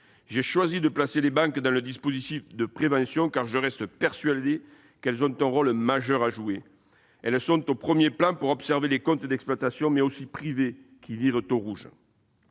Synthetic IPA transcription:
ʒeʃwazid̪əplaselebɑ̃ŋkd̪ɑ̃ləd̪ispozit̪ifd̪əpχevɑ̃sjɔ̃kaʁʒəʁɛst̪əpɛʁsɥad̪e | kɛlzɔ̃t̪ɛ̃ʁɔlmaʒœʁaʒue | ɛlsɔ̃nt̪opχəmjeplɑ̃puʁɔpsɛʁvelekɔ̃nt̪əd̪ɛksplwat̪asjɔ̃mɛosipχivekʲiviʁət̪oʁuʒ

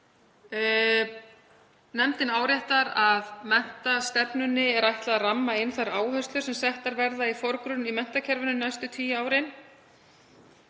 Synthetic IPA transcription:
nɛmt̪ɪnaːwɾaht̪aɾaðmɛn̥t̪ast̪ɛpnʏnːɪɛɾajht̪laðaramːaɪnθaɾaːwhœst̪lʏ̥sɛmsɛht̪aɾvɛɾðaifɔɾkɾʏnimɛn̥t̪acʰɛɾvʏnʏnːajst̪ʏt̪ʰiːjaːwɾɪn

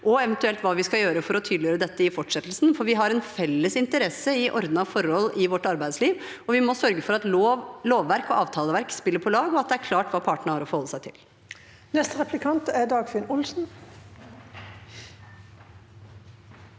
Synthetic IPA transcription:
ʔɔɛʋɛnt̪ʉɛlt̪ʋɑːʋɪskɑjøːɾəfɔɾɔt̪ʰyːd̪lɪjøːɾəd̪ɛt̪ːəɪfɔʈʂɛt̪ːl̩sn̩fɔɾʋɪɦɑɾɛnfɛlːəsɪnt̪əɾɛsəɪʔɔ̰ɾd̪nɑʋfɔɾɔlːɪʋɔʈːɑɾbæɪsliːʋ | ɔʋɪmɔsœɾɡəfɔɾɑt̪ːloːʋːæɾkɔʔɑːʋt̪ʰɑːləʋæɾkspɪlːəɾpʰɔlɑːɡɔɑt̪̚d̪ɛæɾkʰlɑːʈʋɑːpʰɑːʈəɳəɑɾɔfɔhɔlːəsæɪt̪ʰɪl | nɛst̪əɾɛplɪkʰɑnt̪æd̪ɑːɡfɪnʊlsn̩

